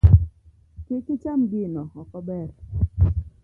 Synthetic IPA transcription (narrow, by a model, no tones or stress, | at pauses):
kɪkɪt͡ʃamɡɪnɔɔkɔbɛɾ